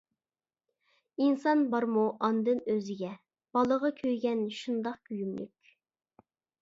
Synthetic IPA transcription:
insɑnbɑɾmuʔɑnd̪ɨnøzɪɡʲɛ | b̥ɑlˠəʁɑkʲʰøjɡʲɛnʃund̪ɑq̚kʲyjymly̰kʲ

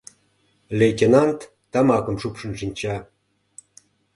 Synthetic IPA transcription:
lʲejt̪ʲenɑnt̪ːɑmɑkə̆mʃupʂə̆nʃinʲt͡ɕɑ

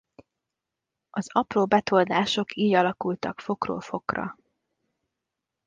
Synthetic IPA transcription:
ɒzɒproːbɛt̪o̞ld̪aːʃo̞kʰiːɟɒlɒkult̪ɒkfo̞kro̰ːlfo̞krɒ̰

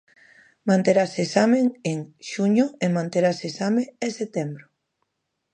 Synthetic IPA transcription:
mãnt̪eɾasesameŋeŋʃuɲʊemãnt̪eɾasesameeset̪embɾo

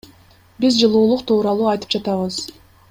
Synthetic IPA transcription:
bizd͡ʒɯlˠuːlˠuqt̪ʰuːɾɑlˠuːɑjt̪ɯ̥pd͡ʒɑt̪ɑβɯz̥

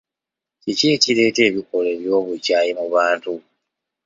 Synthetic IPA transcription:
ciceːcile̞ːte̞ːβiko̞le̞βjo̞ːβucaːjimuβaːntu

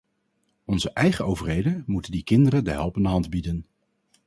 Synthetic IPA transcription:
ɔnzəʔɛjχəowvərɦejdəmutəndikɪndərədəɦɛlˠpɪndəɦɑndbidən

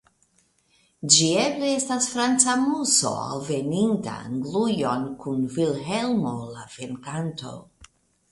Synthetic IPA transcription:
d͡ʒiebleestasfɾant͡samuso̰a̰lveninta̰aŋɡlujonkunvilɦelmo̞lavenkanto̞̰

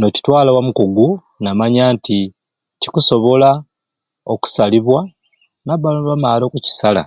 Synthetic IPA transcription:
no̞ci̥twaːlawamukoɡu | namaɲaːnti | ci̥kuso̞βo̞la | oku̥saliβwa | naβaβamaːlo̞kuci̥sala̰

